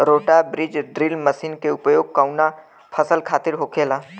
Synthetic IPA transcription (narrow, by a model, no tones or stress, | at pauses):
ɾoːʈabɾɪd͡ʒɖɾɪlməʃiːnkeʊpjoːɡ̚kaːʊna | pʰəsəlkʰaːt̪ɪɾɦokʰeːlaː